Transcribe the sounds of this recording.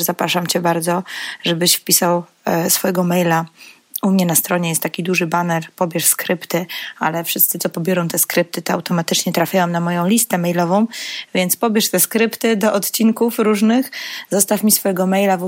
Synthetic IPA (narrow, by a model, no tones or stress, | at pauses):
zapɾaʂamt͡ɕɛbaɾd̪zɔʐɛbɘɕfpʲisaw | sfɔjɛɡɔmɛjla | umɲɛnast̪ɾɔɲɛjɛst̪ːakʲid̪uʐɘbanɛɾpɔbʲjɛʂskɾɘpt̪ɘa̰lɛfʂɘst̪sɘt̪sɔpɔbʲjɔɾɔ̃w̃t̪ɛskɾɘp̚t̪ɘt̪ɔa̰wt̪ɔmat̪ɘt͡ʂɲɛt̪ɾafʲjawamnamɔjɔ̃w̃lʲist̪ɛmɛjlɔvɔ̃w̃vʲjɛnt̪spɔbʲjɛʂt̪ɛskɾɘpt̪ɘd̪ɔʔɔt̪t͡ɕinkufɾuʐnɘxzɔst̪afmʲisfɔjɛɡɔmɛjlav